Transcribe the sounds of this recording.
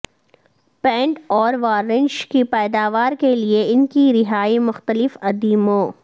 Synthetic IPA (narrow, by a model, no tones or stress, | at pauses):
pɛ̃ːɳʈɔːɾʋaːɾɪ̃nd͡ʒkipɛːd̪aːʋaːɾkelieɪnkiɾɪɦaːimʊxt̪əlɪfɐd̪iːmõː